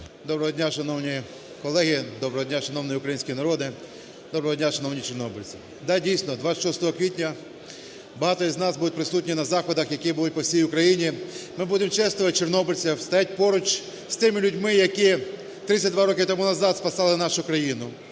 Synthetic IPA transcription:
d̪ɔbɾɔɦɔdʲnʲaʃɐnɔwnʲi | kɔlˠɛɦʲid̪ɔbɾɔɦɔdʲnʲaʃɐnɔwnɪjʊkɾɐjinʲsʲkʲijinɐɾɔd̪ɪ | d̪ɔbɾɔɦɔdʲnʲaʃɐnɔwnʲit͡ʃeɾnɔbɪlʲt͡sʲi | d̪ɑdʲijsnɔd̪ʋat̪sʲɐ̥tʲʃɔst̪ɔɦɔkʋʲitʲnʲɐ | bɐɦɑt̪ɔiznɑsbud̪ʊt̚ʲpɾɪsutʲnʲinɐzɑxɔd̪ɐxjɐkibʊlˠut̚ʲpɔwsʲijʊkɾɐjinʲimɪbud̪emt͡ʃɛst̪ɔʋɐt̚ʲt͡ʃernɔbɪlʲt͡sʲɐwst̪ɐjat̚ʲpɔɾʊt͡ʃ | st̪ɪmɪlʲʊdʲmɪjɐki | t̪ɾɪt̪ʲːɐt̚ʲd̪ʋaɾɔkʲɪt̪ɔmunɐzɑd̪spɐsɑlˠɪnɑʃʊkɾɐjinʊ

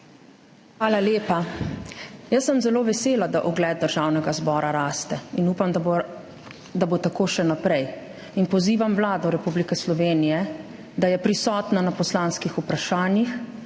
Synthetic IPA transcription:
xʋaːlaljeːpa | jəsːəmzɛloːʋɛseːlad̪aʔɔɡlɛːd̪̚d̪əɾʒaːwnɛɡazbɔːɾaɾaːst̪ɛinuːpamd̪a | d̪abot̪akoːʃɛnapɾɛj | inpɔziːʋamʋlaːd̪ɔɾɛpublikɛslɔʋeːnijɛ | d̪ajɛpɾisɔːt̪nanapɔslanskixupɾaʃaːnjix

